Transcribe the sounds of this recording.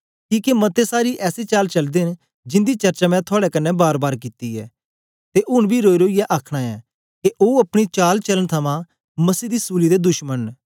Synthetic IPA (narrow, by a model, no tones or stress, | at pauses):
kiːkemɐt̪esaːɾiʔɛːset͡ʃaːlt͡ʃɐld̪en | d͡ʒɪ̃nd̪it͡ʃɐɾt͡ʃamɛ̃t̪ʰʊaːɽɛkɐnːɛbaːɾbaːɾkɪt̪iɛ̰ː | t̪eʔʊnbʱiɾoːiɾoːijaʔaːkʰɽ̃aɛː | keʔoːɐpɽ̃it͡ʃaːlt͡ʃɐlənt̪ʰɐmã | mɐsiːd̪isuːlid̪ed̪ʊʃmən